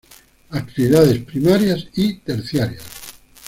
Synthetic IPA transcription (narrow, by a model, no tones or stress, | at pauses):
ak̚t̪iβiðaðespɾimaɾjasit̪eɾθjaɾja̰s